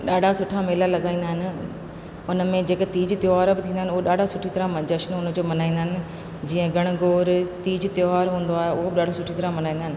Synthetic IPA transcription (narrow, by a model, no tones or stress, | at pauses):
ɗaːɖʱasʊʈʰameːlalɐɠaːĩnd̪aːɦɪnɪ̆ | ʊnmẽd͡ʑeːket̪iːd͡ʑt̪joːɦaːɾbɪt̪ʰĩːnd̪aɦɪnʊɦoɗaːɖʱasʊʈʰit̪ɐɾad͡ʑɐʃnʊnd͡ʑoːmɐnaːĩnd̪aɦɪnɪ̆ | d͡ʑiːə̃ɡɐɽ̃ʊɡoːɾt̪iːd͡ʑt̪joɦaːɾɦũːn̆d̪oaːɦeʊɦobɪɗaːɖ̤ʱosʊʈʰit̪ɐɾamɐnaːĩːnd̪aɦɪnɪ